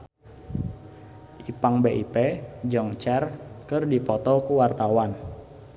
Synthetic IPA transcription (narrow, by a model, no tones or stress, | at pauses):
ʔipaŋbeʔiped͡ʒɔŋt͡ʃɛrkɨrdipɔt̪ɔkuwart̪awan